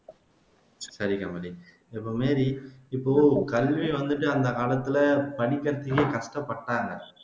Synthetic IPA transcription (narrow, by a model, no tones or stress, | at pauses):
sɐɾikɐmɐɽi | ɛpːoːmeːɾiɪpːoːkɐlʋiʋɐnd̪ɯʈːɯɐnd̪ɐkaːlɐt̪ːɪlɐpɐɽikːɐɾt̪ːikːekɐʂʈɐpːɐʈːaːŋɡɐ